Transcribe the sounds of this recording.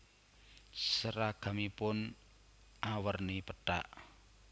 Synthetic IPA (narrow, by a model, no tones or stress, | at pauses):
səɾaɡ̥a̤mipʊn | ʔawərnipəɖ̥a̰ʔ